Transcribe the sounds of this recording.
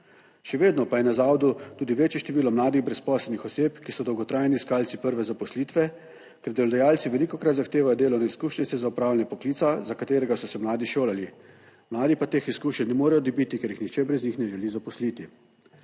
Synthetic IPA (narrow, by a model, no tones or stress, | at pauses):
ʃɛʋeːd̪nɔpajɛnazaːwd̪ut̪uːd̪iʋeːt͡ʃjɛʃt̪ɛʋiːlɔmlaːd̪iɣbɾɛspɔːslɛlnixɔseːpkisɔd̪ɔwɡɔt̪ɾaːjniskaːlt̪sipəɾʋɛzapɔsliːt̪ʋɛ | kɛɾd̪ɛlɔd̪ajaːlt̪siʋɛlikɔkɾat̪zaxt̪eːʋajɔd̪eːlɔwnaiskuːʃnit̪sɛzaupɾaːwlanjɛpɔkliːt̪sazakat̪eːɾɛɡasɔsɛmlaːd̪iʃoːlali | mlaːd̪ipat̪eːxiskuːʃɛnnɛmoːɾɛjɔd̪ɔbit̪ikɛɾjixnixt͡ʃɛbɾɛznixnɛʒɛlizapɔsliːt̪i